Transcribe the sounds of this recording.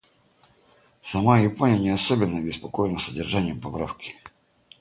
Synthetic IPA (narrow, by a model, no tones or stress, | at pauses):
sɐmajɪponʲɪjənʲɪɐsobʲɪnːəɐbʲɪspɐkojɪnəsədʲɪrʐanʲɪjəmpɐpɾa̰fkʲɪ̥